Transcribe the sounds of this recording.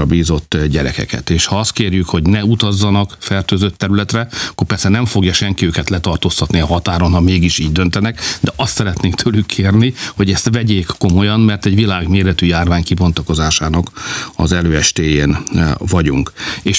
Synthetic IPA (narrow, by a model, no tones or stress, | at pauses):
ɒbiːzo̞t̪ːɟɛɾɛ̰kɛ̰kɛ̰t̪eːʃhɒɒst̪keːrjykho̞ɟnɛut̪ɒzːɒnɒkfɛrt̪øːzøt̪ːɛɾylɛt̪rɛɒkːorpɛrsɛnɛɱfo̞ɡjɒʃɛŋkiøːkɛt̪lɛt̪ɒrt̪ost̪ɒt̪niɒɦɒt̪aːɾo̞nhɒmeːɡiʃiːɟd̪ø̞nt̪ɛnɛkd̪ɛʔɒst̪sɛɾɛt̪neːkt̪ʰøːlykːʰeːrniho̞ɟɛst̪ʋɛɟeːkːo̞mo̞jɒnmɛrt̪ɛɟʋilaːɡmeːɾɛt̪yjaːrvaːɲkibo̞nt̪ɒko̞zaːʃaːnɒkɒ̰zɛløːɛʃt̪eːjeːnvɒɟuŋkeːʃ